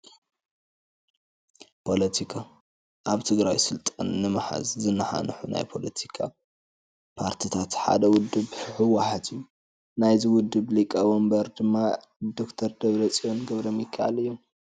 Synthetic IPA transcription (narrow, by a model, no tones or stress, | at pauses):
pʰo̞lɐt̪ʰikʰa | ʔaβt̪ʰɨɡɾajsɨlt̪ʼanːɨmɨħa̰zzɨnːaħa̰nħuna̰jpʰo̞lɐt̪ʰikʰa̰ | pʰaɾt̪ʰit̪ʰat̪ħa̰d̪ɐwʊd̪ːɨβɨħɨwaħat̪ʰɨjːu | najzɨwʊd̪ːɨβlikʼawombɐɾd̪ɨmːa | d̪o̞kt̪ʰɐɾd̪ɐβɾɐt͡sʼijonɡɐβɾomjɪkʰːaʕalɨjːom